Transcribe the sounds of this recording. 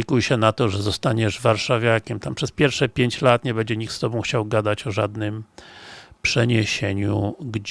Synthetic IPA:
kujɕɛnat̪ɔʐɛzɔst̪aɲɛʐvaɾʂavʲjakʲɛmt̪ampʂɛspʲjɛɾfʂɛpʲjeɲt͡ɕlat̪ɲɛbɛɲd͡ʑɛɲik̪̚st̪ɔbɔ̃w̃xt͡ɕawɡad̪at͡ɕɔʐad̪nɘm | pʂɛɲeɕeɲuɡd͡ʑ

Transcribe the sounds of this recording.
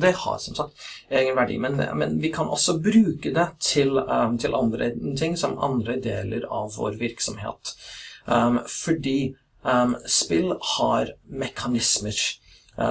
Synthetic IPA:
d̪ɛhɑ̰ɾsɔmsɑk̚t̪eːɡənʋæɖḭːmɛn̰mɛ̰nʋɪkʰɑnʔɔ̰sɔbɾʉːkəd̪ɛt̪ʰɪlt̪ʰɪlʔɑnd̪ɾə̰t̪ʰɪŋːsɔmɑ̰nd̪ɾəd̪eːləɾɑʋːo̰ɾʋɪɾksɔmɦḛːt̪ | fɔɖiː | spɪlːhɑɾmɛkʰɑnɪsməɾ

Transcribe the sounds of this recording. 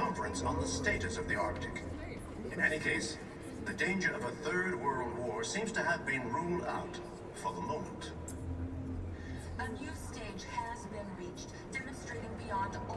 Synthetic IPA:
ɑ̃ɱfə˞ɨ̃nsn̩ðəsteɪɾɨsʌvðiɑɹk̚tɨk | ɨ̃nɛñikʰeɪs | ðɨdẽɪ̃nd͡ʒə˞ʌvəθɜ˞d̚wɜ˞lˠwɔɹsĩmz̥tɨːvbɨ̃nɹulˠda̰ʊt | fə˞ðəmõʊ̃mə̃n̩t | t | ənjʉsteɪd͡ʒ̥əzbɨ̃nɹit͡ʃ | d̥ɛmɨ̃nstɹ̥eɪɾɪ̃ŋbijɑ̃ndə

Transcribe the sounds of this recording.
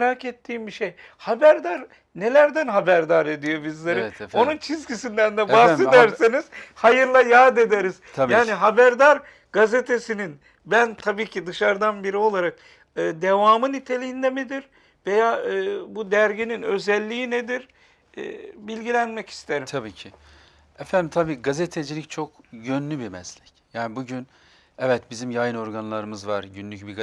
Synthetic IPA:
ɾaːcet̪ʰːiːmbiʃej | habæɾd̪aɾ | ne̞lʲæɾd̪ænɦabæɾd̪aɾed̪ijo̞bizlʲeɾio̞nunt͡ʃʰizɡisind̪ænd̪ɛbahse̞d̪æɾseniz̥hajɯɾlˠajaːd̪e̞d̪eɾizʰjaːniɦabæɾd̪aɾ | ɡ̥azet̪ʰe̞sinin | bænt̪ʰabiːcʰid̪ɯʃaɾd̪anbiɾio̞lˠaɾak̚ | ɯːd̪evaːmɯnit̪ʰe̞lʲijind̪emed̪iɾ | ve̞jaːɯbud̪æɾɟininø̞zɛlʲːiined̪iɾ̰ː | bilʲɟilʲænmɛci̥st̪ʰeɾimt̪ʰabiːcʰi | ɛfænd̪imt̪ʰabiːɡazet̪ʰed͡ʒilʲict͡ʃʰo̞kjønlʲybimɛslʲɛcjaːnibuɟyn | ɛvɛt̪bizimjajɯno̞ɾɡanlˠaɾɯmɯzvaɾɟynlʲycbiɡa

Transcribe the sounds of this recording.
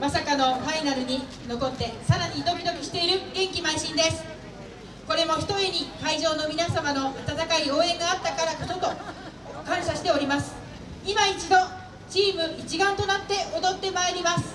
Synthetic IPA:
masakano̞ɸainaɾɯ̟ɲ̟i | no̞ko̞t̪ːe̞saɾaɲ̟id̪o̞kʲid̪o̞kʲiɕi̥t̪e̞iɾɯ̟ɡẽ̞ŋkʲimaiɕĩnd̪e̞sɨ̥ | ko̞ɾe̞mo̞çi̥t̪o̞e̞ɲ̟ikaiʑo̞ːno̞mʲinasamano̞at̪at̪akaio̞ːẽ̞ŋɡaːt̪ːakaɾakot̪o̞t̪o̞ | kãɰ̃ɕaɕi̥t̪e̞o̞ɾʲimasɨ̥ | imait͡ɕid̪o̞ | t͡ɕiːmɯ̟it͡ɕiɡãnt̪o̞nat̪ːe̞ʔod̪o̞t̪ːe̞maeɾʲimasɨ̥

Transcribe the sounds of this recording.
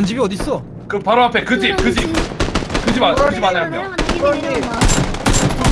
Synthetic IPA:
nd͡ʑibiʌdis͈ʌ | kɯpaɾoapʰe̞kɯd͡ʑikɯd͡ʑi | kɯd͡ʑiaɯd͡ʑimaneama̰

